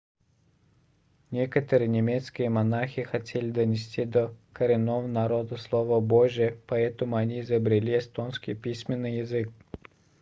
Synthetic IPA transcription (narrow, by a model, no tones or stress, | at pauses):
nʲekət̪əɾɨjnʲɪmʲet̪skʲɪjəmɐnaxʲɪxɐtʲʰelʲɪd̪ənʲɪsʲtʲid̪əkəɾʲɪnːovənɐɾod̪əslˠovəboʐɪjəpɐɛt̪əmʊɐnʲiɪzəbɾʲɪlʲiɪst̪onskʲɪ̰jpʲisʲmʲɪnːɨjɪzɨk̚